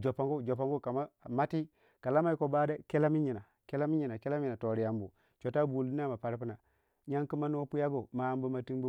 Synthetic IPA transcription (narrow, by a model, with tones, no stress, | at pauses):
d͡ʒo˨pa˨ŋɡo˦d͡ʒo˨p̬a˨ŋɡo˦ka˨ma˦˨ma˦ti˦ | ka˨la˦ma˦i˦ko˨ba˦da˦ke˦la˦mi˦ɲi˨na˨ | ke˦la˦mi˦ɲi˨na˨ke˦la˦mi˨na˨to˨ɾi˨ja˨mbu˨ | t͡ʃo˨ta˦bu˨ldi˦na˦˨ma˨pa˨ɾpu˦na˨ | ɲa˦ŋki˦ma˦n˦o˦pu˦ja˦ɡo˨ma˨mbu˦ma˨ti˦nbu˦